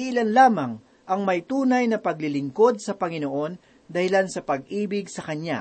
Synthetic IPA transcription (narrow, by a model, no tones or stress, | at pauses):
iʔɪlanlaːmɐŋ | ʔɐŋmɐjt̪uːnɐjnɐpɐɡ̚lɪlɪŋko̞d̪̚sɐpɐŋɪno̞ʔo̞n | d̪ɐhɪlansɐpɐɡ̚ʔiːbɪɡsɐkɐɲa̰